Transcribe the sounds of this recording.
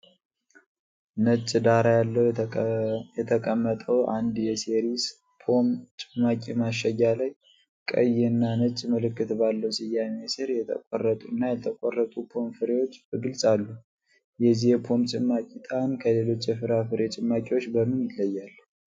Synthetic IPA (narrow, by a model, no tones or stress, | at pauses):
nɨt͡ʃʼːd̪aɾajalːəw | jɛt̪ʰəkʼəmːət̪ʼəwʔand̪jɛseɾis | pʰo̞mt͡ʃʼɪmːakʼimaʃːəjːalaj | kʼə̰jɛnːanɨt͡ʃʼːməlɨkːɨt̪balːəwsɪjːamesɨɾjɛt̪ʰə̰kʼorːət̪ʼunːajɛt̪ʰəkʼorːət̪ʼupʰo̞mfɨɾe̞wo̞t͡ʃːbɨɡɨlsʼalːu | jɛzihɛpʰo̞mt͡ʃʼɪmːakʼit̪ʰʼankʰəle̞lo̞t͡ʃːjɛfɨɾafɨɾe̞t͡ʃʼɨmːakʼiwo̞t͡ʃːbəmːɨnjɪt̪ləjːalː